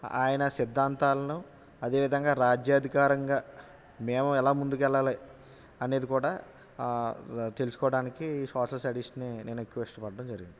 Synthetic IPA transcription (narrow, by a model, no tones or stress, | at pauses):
a̰ːjɐnɐsid̪ːaːnt̪aːlɐnu | ɐd̪e̞ːʋid̪ʱɐŋɡaːɾaːd͡ʒjaːd̪ʱikaːɾɐŋɡaː | meːmuɛlaːmund̪ukɛlːɐːli | ɐne̞ːd̪ikuːɽaː | t̪e̞lusu̥kɔːɐɽaːnikisɔːʂɐlsɐɽiʂɐnine̞ːnue̞kːuʋɐiʂʈɐpɐɖɐɽɐmd͡ʒɐɾiɡind̪i